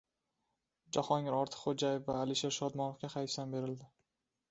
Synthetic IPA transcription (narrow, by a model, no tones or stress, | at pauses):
d͡ʒahɒŋɪɾɒɾt̪ʰɨ̥qχod͡ʒajɪfvaːlɪʃe̞ɾʃɒd̪mɒnofkʲaχajsambe̞ɾɪld̪ɪ